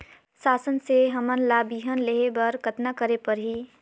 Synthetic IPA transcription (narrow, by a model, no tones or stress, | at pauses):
saːsənseɦəmənlaːbiɦənleɦebəɾkət̪nakəɾepəɾɦi